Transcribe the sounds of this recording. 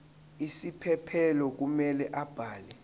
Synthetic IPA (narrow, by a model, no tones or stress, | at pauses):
isipʰɛpʰɛlɔk̬umɛlɛʔab̥ʱaːlɛ